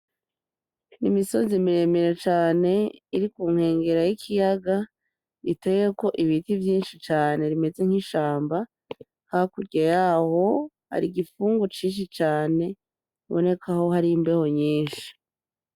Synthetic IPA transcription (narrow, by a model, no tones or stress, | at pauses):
nimiso̞zimiɾe̞meɾet͡ʃaːne̞iɾikuːŋ̥he̞ːŋɡe̞ɾajikʰijaɡa | itejeko̞ʔiβitivjiːnʃit͡ʃaːne̞ɾime̞ze̞ŋ̥hiʃaːmba | kakuɾɟajaho̞ | ha̰ɾiɡifuːŋɡot͡ʃiːnʃ̬it͡ʃaːne̞ | βo̞ne̞kʰaho̞haɾijimbe̞ho̞ɲiːnʃi̥